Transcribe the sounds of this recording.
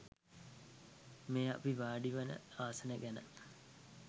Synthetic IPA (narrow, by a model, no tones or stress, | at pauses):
meːa̰piʋaːɖiʋənə̰aːsənəɡænə̰